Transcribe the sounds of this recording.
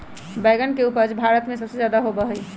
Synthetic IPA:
baɪɡənkeupəɾd͡ʒbʱaɾət̪mẽsəbsed͡ʒaːd̪aɦobəɦəi

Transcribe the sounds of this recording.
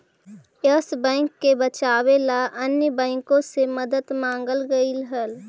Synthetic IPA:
jəsbɛ̃ːŋkːebət͡ʃaːwelaənjəbɛ̃ːŋkõseməd̪ət̪mãːŋɡəlɡəilɦəl

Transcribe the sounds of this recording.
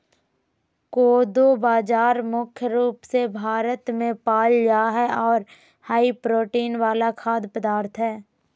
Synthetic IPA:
koːd̪obaːd͡ʒaːɾmʊkʰjəɾuːpsebʱaːɾət̪mẽpaːld͡ʒaːɦɛɔːɾ | haːipɾoːʈiːnʋaːlakʰaːd̪pəd̪aːɾt̪ʰɦɛː

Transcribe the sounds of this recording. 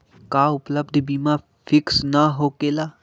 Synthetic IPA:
kaːʊpləbd̪ʱbiːma | fʰɪksnaɦoːkeːlaː

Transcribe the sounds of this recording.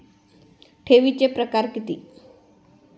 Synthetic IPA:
ʈʰeʋit͡ɕepɾəkaɾkit̪ḭː

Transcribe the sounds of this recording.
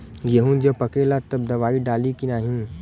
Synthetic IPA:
ɡeɦũnd͡ʒɐpɐkelat̪ɐb̚d̪ɐʋaːiɖaːlikinaːɦĩ

